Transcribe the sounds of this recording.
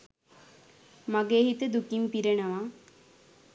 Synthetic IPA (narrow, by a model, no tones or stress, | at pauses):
maɡeːɦit̪əd̪ukimpiɾenəʋaː